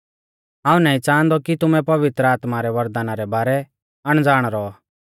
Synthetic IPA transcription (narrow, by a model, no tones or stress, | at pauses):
ɦãːũnaːĩt͡sãːnd̪ɔkit̪ʊmɛ̃pɐʋɪt̪ɾəaːt̪maɾɛʋɐɾd̪aːnaɾɛbaːɾɛ | ɐɽ̃d͡zaːɽ̃ɾɔ